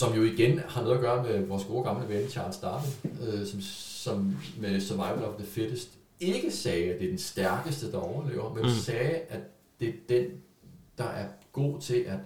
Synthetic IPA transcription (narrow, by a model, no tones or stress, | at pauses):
sɒ̽mjo̝iɡ̥enhɑ̈nɔ̽ð̩ˠɐɡ̥ɶːɐmeʋɒːsɡ̥o̝ːɐɡ̥ɑ̈mləʋeemt͡ɕʰɑ̈ːlsd̥ɑ̰̈ːd̥̩øsɒ̽msɒ̽mmesœɐʋɑ̈ɪʋəl̩ɒ̽fðəfed̥əsd̥ | e̝ɡ̥əsɛːæd̥e̝æɐd̥ensd̥æɐɡ̥əsd̥əd̥ɑ̈ɒʊɐlḛːʊ̰ɐmennsɛːæ̥ | e̝d̥en | d̥ɑ̈ʔæɐɡ̥o̝̰ːt͡sʰe̝lʔæ̥